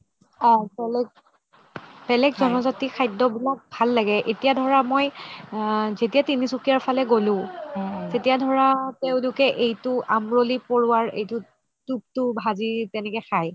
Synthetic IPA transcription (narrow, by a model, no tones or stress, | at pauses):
bɛlɛɡ̚ | b̥ɛlɛɡzɔnɔzatixʰajdɔbilak̚bʱalːaɡɛʔetijadʱɔɹamoj | zetijatinisukijaɹpʰalɛɡolʊ̃zetijadʱɔɹateʊ̃lʊkɛʔejtʊʔamɹolipoɹʊwaɹḛjtʊ | tup̚tʊbʱazitɛnɛkɛxaj